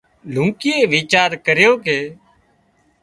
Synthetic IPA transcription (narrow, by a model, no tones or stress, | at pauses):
l̤ũːkɪːeːʋɪːt͡ʃaːɾkəɾjoːkeː